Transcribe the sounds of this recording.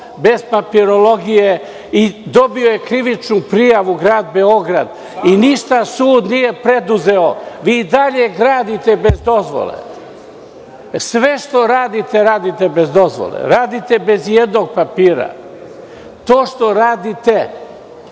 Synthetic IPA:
be̞z̥papiɾolo̞ɡije | id̪o̞biojekɾiʋit͡ʃnupɾijaʋuɡɾaːd̪̚be̞o̞ɡɾa̰d̪ | iniʃt̪asuːd̪nije̞pɾe̞d̪uze̞oʋiːd̪aʎe̞ɡɾaːd̪it̪e̞bezd̪o̞zʋo̰lḛ | sʋe̞ʃt̪o̞ɾaːd̪it̪e̞ɾaːd̪it̪ebe̞zd̪o̞zʋo̰lḛɾaːd̪it̪e̞be̞zjed̪no̞ɡ̚papiːɾa̰ | t̪o̞ːʃt̪o̞ɾaːd̪it̪e̞

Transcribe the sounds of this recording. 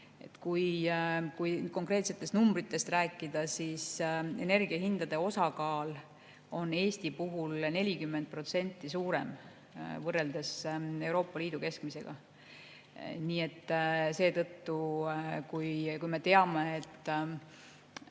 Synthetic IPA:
e̞̰t̪kujkujko̞ŋkre̞ːt̪se̞t̪ːˑe̞st̪numbɾit̪ːe̞st̪ræːkːˑid̪ɑsise̞̰ne̞rɡiɑhind̪̥ɑd̪̥e̞o̞sɑkɑːl | o̞nːe̞ːsʲt̪ipuɦulne̞lʲikymːed̪̚pro̞t̪se̞nʲt̪ːˑisuːɾe̞̰m | vɤrːe̞ld̪̥ese̞uɾo̞ːpːˑɑliːd̪̥uke̞skmise̞ɡ̥ɑ̰ | niːe̞t̪ːse̞ːt̪ɤt̪ːukujkujme̞t̪e̞ɑmeːt̪ˑː

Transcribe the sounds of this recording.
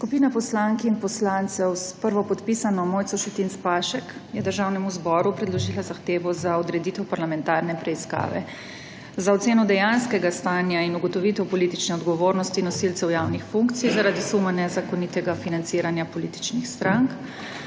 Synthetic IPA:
skupiːnapɔslaŋkiinpɔslant̪sɛwspəɾʋɔpɔt̪pisanɔmoːjt̪sɔʃɛt̪inspaʃɛkjɛd̪əɾʒawnɛmuzbɔːɾupɾɛd̪lɔʒiːlazaxt̪eːʋɔzaɔd̪ɾɛd̪it̪ɛwpaɾlamɛ̃nt̪aːɾnɛpɾɛiska̰ːʋɛ̰ | zaɔt̪seːnɔd̪ɛjanskɛɡast̪aːnjainuɡɔt̪ɔʋit̪ɛwpɔlit̪it͡ʃnɛɔd̪ɡɔʋoɾnɔst̪inɔsilsɛwjawnixfuŋkt̪sijzaɾaːd̪isumanɛzakɔnit̪ɛɡafinant̪siːɾanjapɔlit̪i̥t͡ʃnixst̪ɾaŋk

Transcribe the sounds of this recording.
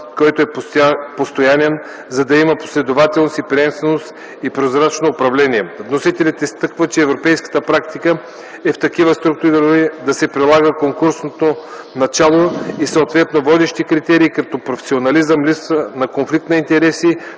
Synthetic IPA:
kɔjt̪oɛpost̪ojanɛn | zɐd̪ɐimɐpo̥slɛd̪ovat̪ɛlˠnosipɾʲɛɛmst̪vɛnost̪ | ipɾozɾat͡ʃnoːpɾɐvlɛniɛvnosit̪ɛlʲɛt̪ist̪ɤkvət͡ʃɛːvɾopɛjskə̥t̪əpɾak̚t̪ikə | ɛft̪ɐkivəst̪ɾuk̚t̪uɾiɾid̪ɐsɛpɾilˠaɡəkoŋkuɾsnot̪o | nɐt͡ʃalˠoisoot̪vɛt̪novɔd̪ɛʃt̪ikɾit̪ɛɾiːkɐt̪ɔpɾofɛ̥sʲionɐlizəmlipsvənɐkonflik̚t̪nɐint̪ɛɾɛsi

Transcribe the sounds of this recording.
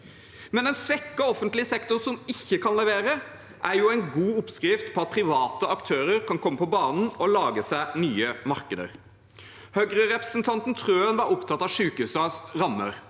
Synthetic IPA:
mɛnɛnsʋɛkːəɔfənt̪lɪsɛkt̪ʊnsɔmɪçːəkʰɑnlɛʋeːɾə | ʔæɾjuːæɪnɡuːʊpskɾɪft̪pʰɔːɑt̪̚pʰɾɪʋɑːt̪əɑkt̪ʰøːɾəɾkʰɑnkʰɔmːəpɔbɑːnn̩ɔlɑːɡəsæɪnyːəmɑɾkəd̪ə̰ɾ | hœɡɾəɾɛpɾəsnt̪ʰɑnt̪n̩t̪ʰɾøːɑnʋɑɾʊpt̪ʰɑt̪ːɑʋʂʉːkʉsɑsɾɑmːə̰ɾ

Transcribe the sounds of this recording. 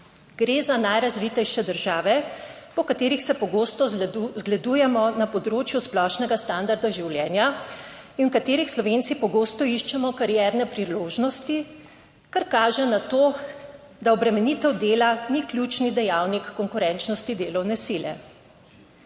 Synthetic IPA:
ɡ̥ɾeːzanajɾazʋit̪ɛjʃɛd̪əɾʒaːʋɛpɔkat̪eːɾixsɛpɔɡoːst̪ɔzɡlɛd̪uːjɛmɔnapɔd̪ɾoːt͡ʃjusplɔʃnɛɡast̪and̪aɾd̪aʒiwljɛːnja | inwkat̪eːɾixslɔʋent̪sipɔɡoːst̪ɔiʃt͡ʃɛmɔkaɾjɛɾnɛpɾiloːʒnɔst̪i | kaɾkaːʒɛnat̪oː | d̪aɔbɾɛmɛnit̪ɛwd̪eːlaniklʲjut͡ʃnid̪ɛjawnikːɔŋkʊɾɛnt͡ʃnɔst̪id̪eːlɔwnɛsiljɛ̰

